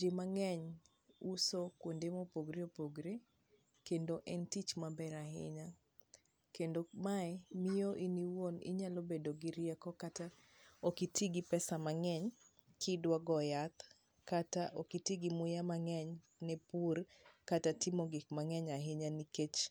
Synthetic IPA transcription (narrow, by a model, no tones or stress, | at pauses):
d͡ʒemaŋɛɲ | usokwondemopoɡɾeopoɡɾe | kendoʔɛntit͡ʃmabɛɾahɪ̰ɲa | kendomaɛmijoʔiniwonɪ̰ɲalobedoɡiɾɪɛkɔkata | okitiɡipɛsamaŋɛɲ | kʰɪdwaɡɔjat̪ | kːataʔokitiɡimʊjamaŋɛɲ | nɛpurkatatɪmoɡɪkmaŋɛɲaɦɪɲaniket͡ʃ